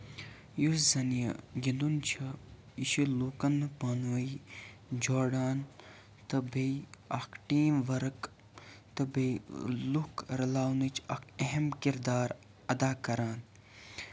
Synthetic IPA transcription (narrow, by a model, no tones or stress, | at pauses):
juszɐnijɐ̰ɡind̪unt͡ʃʰɐ | iʃiluːkɐnːɨpanʋɐi | d͡ʒoːɽaːn | t̪ɐbejɐkʰʈiːmʋɐɾɨk | t̪ɨbelukɾɐlaːwnɨt͡ʃʰɐkʰɐɦemkiɾd̪aːɾ | ɐd̪aːkɐɾaːn